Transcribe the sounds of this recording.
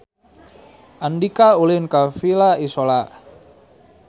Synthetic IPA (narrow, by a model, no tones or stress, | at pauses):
ʔandikaulɪnkafilaisola